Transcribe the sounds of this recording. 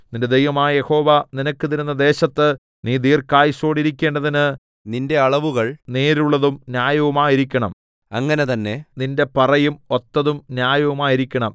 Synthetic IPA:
ninde̞d̪ejʋɐmaːjɐje̞ho̞ːʋɐninɐkːɨt̪iɾunːɐd̪e̞ːɕɐt̪ːɨ | niːd̪iːrkaːjiɕo̞ːɽiɾikʲːe̞ːɳɖɐðinɨ | ninde̞ɐɭɐʋuɣɐɭneːɾuɭːɐðumnjaːjɐʋɐmaːjiɾikʲːɐɳɐm | ɐŋːɐne̞t̪ɐnːe̞ninde̞pɐrɐjumo̞t̪ːɐðumnjaːjɐʋɐmaːjiɾikʲːɐɳɐm

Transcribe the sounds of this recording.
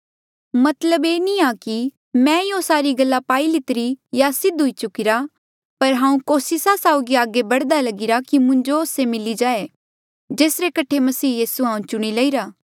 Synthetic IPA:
mɐt̪ləbeːniaki | mɛ̃ɪjõsaːɾiɡɐlːapaːilɪt̪ɾijasɪd̪ɦʊit͡ʃʊkɪɾa | pɐɾɦãːũkoːsɪsasaːʊɡiaːɡebɐɽd̪alɐɡɪɾakimʊ̃ɲd͡ʒooːsemɪlid͡ʒaːe | d͡ʒeːsɾekɐʈʰemɐsiːjiːsuɦãːũt͡ʃʊɽ̃ilɐiɾaː

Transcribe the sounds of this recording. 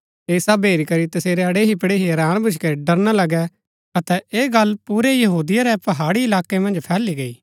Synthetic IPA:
eːsabeːɾikɐɾit̪ɐseːɾeɐɽeɦipɐɽeɦiɐɾãːɽ̃bʱʊt͡ʃʰkɛɖɐɾnalɐɡɛ | ɐt̪ɛeːɡɐlpuːɾejɐɦuːd̪ɪjaɾɛpɐɦaːɽiɪlaːkːemɐ̃nd͡ʒpʰɛːliɡɐḭː

